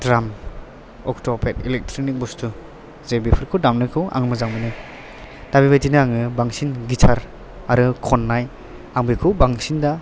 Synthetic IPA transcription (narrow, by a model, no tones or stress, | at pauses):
dɾam | ɔktɔpʰetilek̚tɾɔnik̚bustʰu | zebipʰɯɾkʰɯdamnɯkʰɯwʔa̰ŋmɯzaŋminɯ | d̥abibajtinɯaŋɯbaŋsinɡitʰaɾ | aɾɯkʰɔnːaj | aŋbikʰɯwbaŋsinda